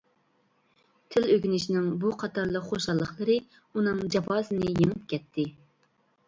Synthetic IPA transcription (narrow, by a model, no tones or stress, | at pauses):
t̪ʰɪløɡʲynɪʃinɪŋbuqʰɑt̪ʰɑɾlˠəqχoʃɑlˠːəχlˠəɾɨ | unɨŋd͡ʒɑbɑːzɨnɨjeŋɨp̚kʲɛt̪ʰːɪ